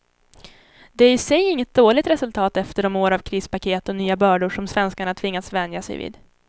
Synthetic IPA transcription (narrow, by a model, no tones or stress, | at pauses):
d̪ɛæɾɪsɛjɪŋːət̪̚d̪oːɭɪt̪ɾɛsɵlt̪ʰɑːt̪ɛft̪əɖɔmoːɾavkʰɾiːspakʰeːt̪ɔnyːabœːɖʊʂɔmsvɛnskaɳat̪ʰvɪŋːasvɛnd̪jasɛ̰jvḭːd̪